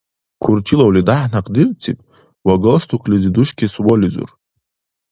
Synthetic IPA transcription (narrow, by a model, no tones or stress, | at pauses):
kʰurt͡ʃʰilawlidaħnaqʼdɨrt͡sʰipʼ | waɡolst̪ʰukʰliziduʃkʲiswɔlizṵr